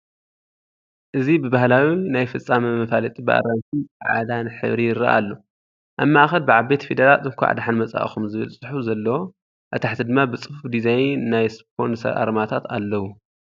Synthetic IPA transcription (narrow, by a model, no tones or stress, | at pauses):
ʔɨzibɨbahlawinajfɐt͡sʼːamɐmɐfalɐt̪ʼibɨʔa̰ɾant̪ʰiʕa̰d̪anħɨ̰βɾijɪɾɐ̰ʔa̰lːo̞ | ʔamːaʔxɐlbɨʕabe̞t̪fid̪ɐɾalʼɨŋkʷʰa̰ʕa̰d̪aħanmɐt͡sʼa̰ʔxumzɨβɨlsʼɨħuzɐlːɐwo | ʔɨt̪ʰaħt̪ʰid̪ɨmːabɨt͡sʼɨfufd̪izajnːajsppʰo̞nsɐ̰ɾʔa̰ɾmat̪ʰat̪a̰lːɐwu